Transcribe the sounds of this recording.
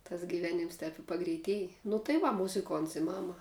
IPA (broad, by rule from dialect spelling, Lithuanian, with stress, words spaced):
tɐs ɡʲɪˈʋʲeːnʲɪms tʲɛːp ɪ pɐɡrʲɛɪˈtʲiɛj nʊ tɐɪ ˈʋɐ mʊzʲɪˈkoːnts ɪ ˈmɑːmɐ